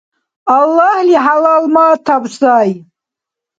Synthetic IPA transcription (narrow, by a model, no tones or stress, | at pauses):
alːahliħalalmaːt̪ʰabsaːj